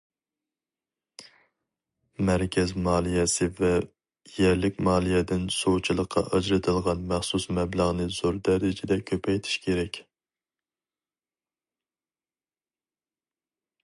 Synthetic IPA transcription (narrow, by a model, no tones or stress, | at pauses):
mæɾkʲʰɛzmɑːlˠijɛsɨvɛ | jɛɾlɪkʲmɑːlˠijɛd̪ɪnsowt͡ʃʰilˠəqʰːɑ̰ʔɑd͡ʒɾɨt̪ʰɨlˠʁɑnmæχsusmɛblˠəʁnɨzoɾd̪ɛɾɪd͡ʒɪd̪ɛkʲʰøpʰɛjt̪ʰɪ̥ʃkʲʰeɾɛkʲ